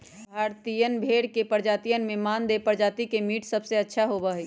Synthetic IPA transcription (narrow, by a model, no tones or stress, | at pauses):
bʱaːɾt̪ijənbʱeɽkepəɾd͡ʒaːt̪ijənmẽmand̪epəɾd͡ʒaːt̪ikemiːʈsəbʱseətːʃʰaɦobəɦi